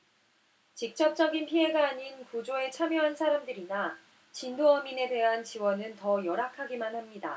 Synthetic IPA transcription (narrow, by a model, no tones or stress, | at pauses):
t͡ɕik̚t͡ɕ͈ʌk̚t͡ɕ͈ʌɡinpʰie̞ɡaːɲinkud͡ʑoe̞t͡ɕʰamjʌɦansʰaɾamdɯɾina | t͡ɕindoʌmine̞de̞ɦant͡ɕiwʌnɯntʌjʌɾakʰaɡimanhamɲida